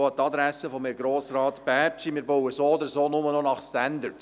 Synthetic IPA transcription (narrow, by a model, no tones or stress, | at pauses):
ɑt̪ɑd̪ɾæsəfɔmɛɡɾoːsɾɑːt̪b̥æt͡ʃimɪːɾbɔwəsoːɔd̪əɾsoːnʊmənɔnɑχst̪ænd̪ərt